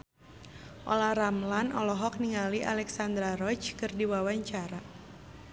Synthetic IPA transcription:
ʔɔlahramlanɔlɔɦɔk̚niŋaliʔa̰lɛksand̪ɾaɾɔt͡ʃkɨrdiwawaɲt͡ʃaɾa

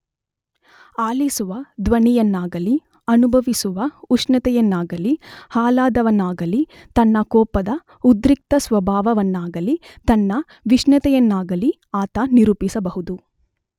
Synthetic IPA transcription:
aːlisuʋɐd̪ʋɐɳijɐnːaːɡɐli | ɐnubʱɐʋisuʋɐuʂnɐt̪ɛjɐnːaːɡɐlihaːlaːd̪ɐʋɐnːaːɡɐli | t̪ɐnːɐkɔːpɐd̪ɐ | ud̪ɾik̚t̪ɐsʋɐbʱaːʋɐʋɐnːaːɡɐlit̪ɐnːɐ | ʋiʃnɐt̪ɛjɐnːaːɡɐli | aːt̪ɐniɾupisɐbɐɦud̪u

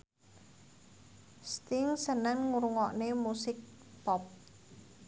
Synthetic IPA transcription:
st̪ɪŋsənəŋŋuɾuŋɔʔnemusɪk̚ | pɔp̚

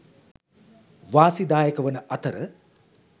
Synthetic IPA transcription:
ʋaːsid̪aːjəkəʋənəʔat̪əɾə

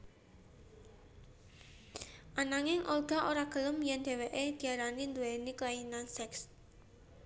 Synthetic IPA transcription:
ʔanaŋɪŋʔorɡ̥a̤ʔoɾaɡ̥ə̤lʊmjɛnd̪̥e̤weʔed̪̥i̤aɾanind̪uweniklainaŋsɛks

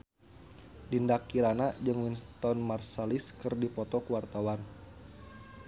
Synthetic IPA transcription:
dindakːiɾanad͡ʒɨŋwint̪ɔnmarsaliskɨrdipɔt̪ɔkuwart̪awan

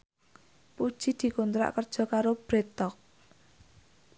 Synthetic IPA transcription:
pud̥ʒ̥i̤d̪̥i̤kont̪ɾa̰ʔkərd̥ʒ̥ɔ̤kaɾob̥ɾet̪ɔk̚

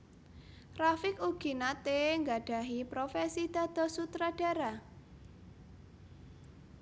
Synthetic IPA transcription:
rafɪkuɡ̥i̤nat̪eŋɡaɖ̥a̤ɦipɾofɛsid̪̥a̤d̪̥ɔ̤sut̪ɾaɖ̥a̤ɾa

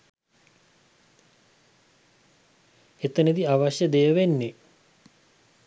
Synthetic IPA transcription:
et̪ənid̪iaʋaɕjəd̪ejəʋenːe

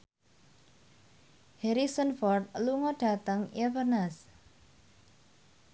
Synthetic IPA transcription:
hɛɾisənfɔrt̪̚luŋɔɖ̥a̤t̪əŋjəpərnas

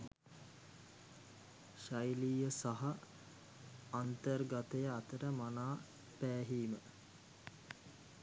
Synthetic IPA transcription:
ʃajliːjəsaɦa | nt̪ərɡat̪ejəat̪əɾəmanaː | pæːɦiːmə

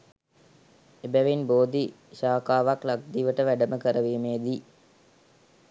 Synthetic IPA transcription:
ebæʋinboːd̪i | ʃaːkaːʋaklak̚d̪iʋəʈəʋæɖəməkəɾəʋiːmeːd̪i

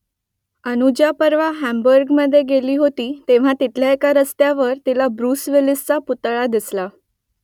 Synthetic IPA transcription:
ənud͡ʑjapəɾʋaɦæmbəɾɡməd̪ʱːjeɡeliːɦot̪iːt̪eʋ̤at̪it̪ʰljaekaɾəst̪jaʋəɾt̪ilabɾuːsʋilist͡saput̪ɭad̪isla

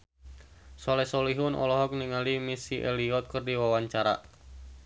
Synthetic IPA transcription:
sɔlɛsɔliɦʊnʔɔ̰lɔɦɔk̚niŋalimisiʔeliɔt̪̚kɨrdiwawaɲt͡ʃaɾa̰ʔ

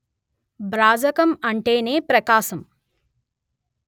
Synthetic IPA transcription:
bɾaːd͡ʒɐkɐmɐɳʈeːneːpɾɐkaːʃɐm

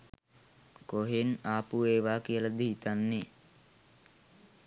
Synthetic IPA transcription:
koɦenaːpueːʋaːkijəlad̪iɦit̪anːe

